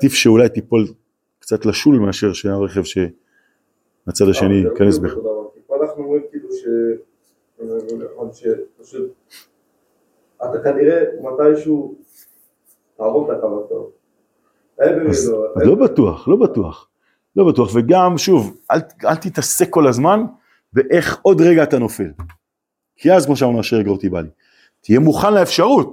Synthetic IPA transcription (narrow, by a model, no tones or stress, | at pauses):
tifʃe̞ulajt̪ipo̞l | kt͡sat̪laʃulmeaʃe̞ʁʃeaʁe̞χe̞vʃe̞ | mat͡sad̪aʃe̞nikanesbeod̪avakipoanaχnuomimkiːluʃe | zenaχonʃepaʃut̪̚ | at̪akaniʁemat̪ajʃu | taːʁotlakavato̰ | ajbevizloazlo̞batuaχlo̞batua̰χ | lo̞batuaχve̞ɡamʃuvʔalalt̪it̪asekːo̞lazman | beʔe̞χo̞dʁeɡaːt̪ano̞fe̞̰l | kʰiazkmoʃ̬aonaʃeʁeɡot̪iba̰li | t̪ijemuχanleefʃaʁut̪